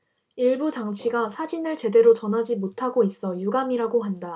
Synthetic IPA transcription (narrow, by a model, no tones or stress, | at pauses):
iɭbut͡ɕaŋt͡ɕʰiɡasʰad͡ʑinɯɭt͡ɕe̞de̞ɾot͡ɕʌnɦad͡ʑimotʰaɡois͈ʌjuɡamiɾaɡoɦanda